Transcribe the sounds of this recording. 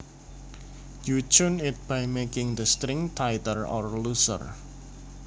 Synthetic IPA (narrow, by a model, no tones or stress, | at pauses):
jut͡ʃʊnɪt̪̚b̥ajmekɪŋd̪əst̪ɾɪŋt̪ʰajt̪ərɔ̰rlusə̰r